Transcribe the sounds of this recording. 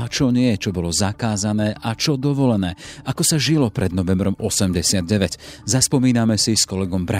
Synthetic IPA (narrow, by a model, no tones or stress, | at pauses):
at͡ʃɔɲɪɛt͡ʃɔbɔlɔzakaːzanɛːʔat͡ʃɔd̪ɔʋɔlɛnɛːʔakɔsaʒilɔpɾɛd̪nɔʋɛmbɾɔmɔsɛmɟɛsɪad̪̚ɟɛʋɛɟzaspɔmiːnamɛsiskɔlɛɡɔmbɾa